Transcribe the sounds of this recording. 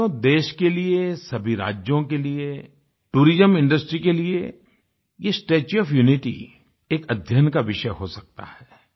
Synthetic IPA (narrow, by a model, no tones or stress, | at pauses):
od̪eːʃkeliesɐbʱiɾa̰ːd͡ʒjõkelie | ʈuːɾɪzəmɪ̃ɳɖəsʈɾikelie | jesʈeːt͡ʃɔːfjuːnɪʈḭ | eːkɐd̪ʱjənkaʋɪʃəɦosɐk̚t̪a̰hɛː